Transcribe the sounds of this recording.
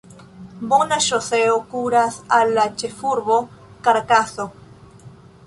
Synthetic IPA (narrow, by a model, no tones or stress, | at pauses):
bonaʃoseokuɾasalat͡ʃefuɾβokaɾkaso